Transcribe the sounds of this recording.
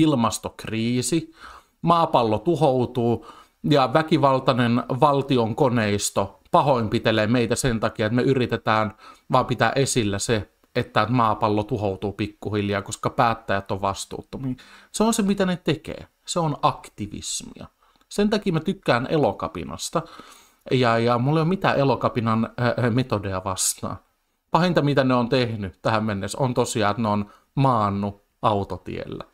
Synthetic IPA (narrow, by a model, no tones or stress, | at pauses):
ilmɑst̪okriːsi | mɑːpɑlːot̪uhout̪uː | jɑʋækiʋɑlt̪ɑnenʋɑlt̪ioŋkoneist̪opɑhoimpit̪eleːmeit̪æsent̪ɑkiɑet̪meyrit̪et̪æːnʋɑːmpit̪æ̰ʔesilːæse | et̪ːæet̪mɑːpɑlːot̪uhout̪uːpikːuhiljɑːkoskɑpæːt̪ːæjæt̪ːoʋʋɑst̪ṵːt̪ːumiseonsemit̪ænet̪ekḛː | seonɑkt̪iʋḭsmḭɑ̰ | sent̪ɑkiːmæt̪ykːæːnʔelokɑ̰pḭnɑ̰st̪ɑ | jɑjɑmulːejomit̪æːʔelokɑpinɑnmet̪odeɑʋɑst̪ɑ̰ː | pɑhint̪ɑmit̪æneont̪ehnyt̪æhæmmenːesont̪osiɑːet̪noon | mɑːnːu | ʔɑut̪ot̪ḭḛlːæ̰